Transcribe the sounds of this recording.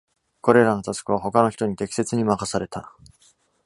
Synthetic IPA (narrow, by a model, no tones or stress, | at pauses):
ko̞ɾe̞ɾano̞t̪asɨ̥kɯ̟β̞aɦo̞kano̞çi̥t̪o̞ɲ̟it̪e̞kʲse̞t͡sɨɲ̟imakasaɾe̞t̪a